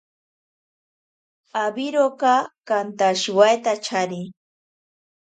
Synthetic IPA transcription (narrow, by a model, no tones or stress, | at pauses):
abiɾokakant̪aʃwajt̪at͡ʃʰaɾɪ